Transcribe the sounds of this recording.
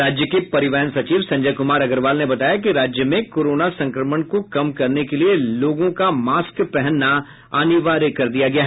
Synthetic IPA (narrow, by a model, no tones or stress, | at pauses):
ɾaːd͡ʒjəkepɐɾɪʋɛɦənsɐt͡ʃiːʋsɐ̃ɲd͡ʒəjkʊmaːɾɐɡəɾʋaːlnebɐt̪aːjak̬iɾaːd͡ʒjəmẽkoːɾoːnasɐ̃ŋkɾəməɳkokɐmkɐɾnekelieloːɡõkamaːskpɛɦɛnːa | aːniʋaːɾekɐɾd̪ijaɡɐjaːɦ